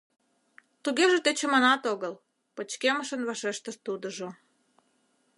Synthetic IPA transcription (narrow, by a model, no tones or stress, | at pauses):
t̪uɣeʒĕt̪et͡ɕə̆mənɑt̪oɣəl | pət͡ɕkeməʃə̆nβɑʃeʃt̪ə̆ʃt̪ud̪ŏʒo